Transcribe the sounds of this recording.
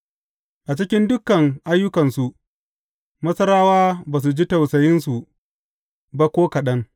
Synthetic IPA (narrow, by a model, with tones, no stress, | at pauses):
ʔa˨t͡ʃɪ˦kʲɪ˦ndʊ˦kɐ˨ŋʔa˦jːʊ˦kɐ˨nsu˨ʔ | mɐ˦sɐ˦ɾaː˦waː˦baː˨s̬u˨d͡ʒi˦tɐ˨wsɐ˨jɪ˦nsu˨ | ba˦kʷoː˦kɐ˨ɗɐ˦ŋ